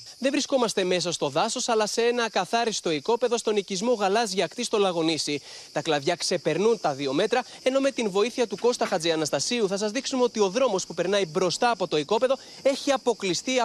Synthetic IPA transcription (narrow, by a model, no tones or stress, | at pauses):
ðe̞vɾisko̞mɐst̪e̞me̞s̬ɐst̪o̞ðɐso̞sɐlɐsee̞nɐkɐθɐɾist̪o̞iko̞pe̞ðo̞st̪o̞nicizmo̞ɣɐlɐzʝɐkt̪ist̪o̞lɐɣo̞nisi | t̪ɐklɐðʝɐkse̞pe̞ɾnunt̪ɐðio̞me̞t̪ɾɐ | e̞no̞me̞t̪invo̞iθiɐt̪uko̞st̪ɐxɐd͡ziɐnɐst̪ɐsiuθɐsɐzðiksumeo̞t̪io̞ðɾo̞mo̞spupe̞ɾnɐibɾo̞st̪ɐːpo̞t̪o̞iko̞pe̞ðo̞ | e̞çiɐpo̞klist̪i